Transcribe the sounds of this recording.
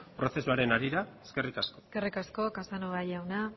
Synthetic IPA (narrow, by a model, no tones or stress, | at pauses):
pɾo̞θe̞suaɾe̞naɾiɾaeske̞rikasko̞ske̞rikasko̞kasanoβajawna